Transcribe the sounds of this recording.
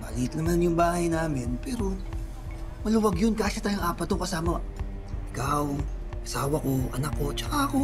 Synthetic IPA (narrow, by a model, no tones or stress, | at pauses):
baliːt̪nɐmanjʊŋbaːhɐjnaːmɪnpɛːɾo̞ | mɐlɐwɐɡjonkaːsat̪aːjʊŋʔaːpɐt̪ːokɐsaːmɐ | ʔɪkaw | ʔɐsaːwɐko̞ʔɐnakːo̞t͡ʃɐkako